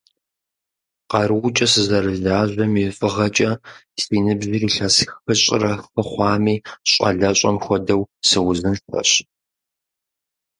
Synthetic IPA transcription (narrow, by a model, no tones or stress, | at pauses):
qɑrɨwt͡ʃʼɐsɨzɐrɨɮaːʑʷɐmjɛfʼɨʁɐt͡ʃʼɐsiːnɨbʑiːriɬɐsxxɨɕʼɪ̰rɐxɨχʷɑːmiːɕʼɐ̰ɮɐɕʷʼɐmxʷɔdɐwsɨwʊzɨnfɐ̰ɕ